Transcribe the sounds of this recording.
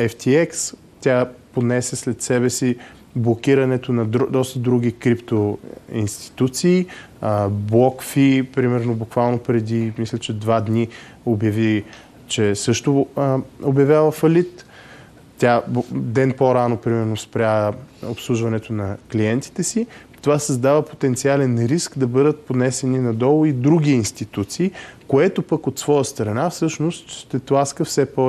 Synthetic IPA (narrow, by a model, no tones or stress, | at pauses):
ɛft̪ʰiɛks | t̪ʲaponɛsɛslɛt̪sɛβɛsi | blˠokʲiɾɐnɛt̪onɐd̪ɔst̪əd̪ɾuɡ̟ʲikɾipt̪oḭnst̪i̥t̪ut̪siː | blˠɔkfipɾimɛɾnobukvalˠnopɾɛd̪imislʲɛt͡ʃɛd̪vad̪ni | objɐvi | t͡ʃɛsɤʃt̪o | objɐvʲjalˠəfɐlit̪ | t̪ʲabd̪ɛnpoɾanopɾimɛɾnospɾʲaopslˠuʒvɐnɛt̪onɐkliɛnt̪i̥t̪ɛsi | t̪ovasɐzd̪avəpo̥t̪ɛnt̪sialɛnɾiskd̪ɐbɤd̪ət̪̚pod̪nɛsɛninɐd̪ɔlˠʊid̪ɾuɡʲiːnst̪it̪ut̪siːkoɛt̪opəkot̪svɔjəst̪ɾɐnafsɤʃnost̪ʃt̪ɛt̪lˠaskəfsɛpɔ